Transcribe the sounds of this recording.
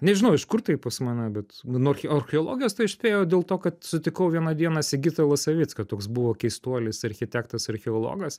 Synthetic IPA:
nʲɛʒʲɪnɐʊɪʃkʊrt̪ɐɪppɐsʲmɑnʲɛbʲɛt̪nʊɐrxʲɐrʲxʲɪolˠo̰ːɡʲɪjoːst̪ɐɪɪʃʲsʲpʲeːjoːd̪ʲeːlˠt̪oːkɐt̪sʊt̪ʲɪkɐʊʋʲiɛnɐd̪ʲiɛnɐsʲɪɡʲɪt̪ɐlˠɐsɐʋʲɪtskɐt̪oːksbʊʋoːkʲɛɪst̪uɔlʲɪsɐɾʲxʲɪt̪ʲæːkt̪ɐsɐɾʲxʲɪoːlˠo̰ːɡɐs

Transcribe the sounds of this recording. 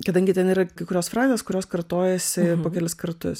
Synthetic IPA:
kɐd̪ɐŋʲɡʲɪt̪ʲɛniːɾɐkɐɪkʊɾʲoːsfɾɑːzʲeːskʊɾʲoːskɐrt̪oːjɛsʲɪpoːkʲɛlʲɪskɐɾt̪ʊs

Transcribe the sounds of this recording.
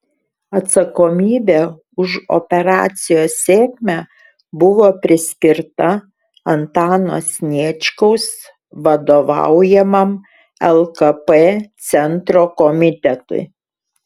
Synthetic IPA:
ɐt̪sɐkomʲiːbʲeː | ʊʃɔ̰pʲɛɾɑ̰ːt̪sʲɪjoːsːʲeːkʲmʲæ | bʊʋoːpʲɾʲɪsʲkʲɪɾt̪ɐ | ɐnt̪ɑːno̰sʲnʲiɛt͡ʃʲkɐʊs | ʋɐd̪oːʋɑ̰ˑʊjɛmɐm | ɛlˠkɐpeːt̪sʲɛnt̪ɾoːkɔmʲɪt̪ʲɛt̪ʊ̰ɪ

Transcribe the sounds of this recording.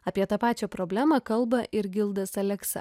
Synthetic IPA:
ɐpʲiɛt̪ɑpɑːt͡ʃʲoːpɾoːbʲlʲæːmɐkɐlˠbɐʔɪɾɡʲɪlˠd̪ɐsɐlʲɛksɐ̰

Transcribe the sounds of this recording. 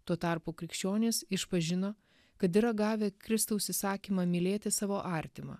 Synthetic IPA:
t̪uɔt̪ɑˑɾpuːkɾʲɪkʃʲt͡ʃʲoːnʲesɪʃpɐʒʲɪnoː | kɐt̪ɪɾɐɡɑːʋʲeːkɾʲɪst̪ɐʊsʲɪsɑːkʲiːmɐmʲɪlʲeːt̪ʲɪsɑːʋoːʔɑːɾʲt̪ʲɪmɐ̰

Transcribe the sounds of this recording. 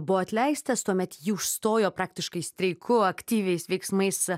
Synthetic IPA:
bʊʋoːɐt̪ʲlʲɛɪst̪ɐst̪uɔmʲɛt̪jiʊʃst̪oːjoːpɾɑːk̚t̪ʲɪʃkɐɪsʲt̪ʲɾʲɛɪkʰʊɐkt̪ʲiːʋʲɛɪsʋʲɛɪksmɐɪs

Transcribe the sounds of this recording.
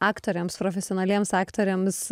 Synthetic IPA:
ɑːkt̪oɾʲɛmspɾofʲɛsʲɪɔnɐlʲiɛmsɑːkt̪oɾʲems

